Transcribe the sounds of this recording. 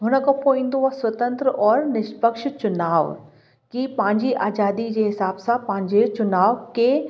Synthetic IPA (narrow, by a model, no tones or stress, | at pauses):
ɦʊnə̆kopoĩːnd̪oaswɐt̪ə̃nt̪ɾəʔɔːɾnɪʃpəkʃt͡ɕʊnaːʋ | kipãːɲd͡ʑiʔaːd͡ʒaːd̪id͡ʑeɦɪsaːbsãpɐ̃ɦɪ̃ɲd͡ʑet͡ɕʊnaːʋke